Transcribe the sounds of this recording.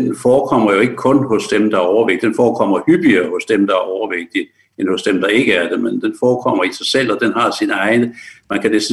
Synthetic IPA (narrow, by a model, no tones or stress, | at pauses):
enfɒːkʰɒ̽m̰ɐjo̝e̝ɡ̥əkʰɔ̽nɦɔ̽sd̥emd̥ɑ̈æɐɒʊɐʋeɡ̥̚d̥d̥enfɒːkʰɒ̽m̰ɐhyb̥iɐːhɔ̽sd̥emd̥ɑ̈æɐɒʊɐʋeɡ̥̚d̥i | enhɔ̽sd̥emd̥ɑ̈e̝ɡ̥əæɐd̥e̝mend̥enfɒːkʰɒ̽m̰ɐisɑ̈ɪsel̰ɒ̽d̥enɦɑ̈sinɑ̈ɪnəmænkʰæd̥e̝s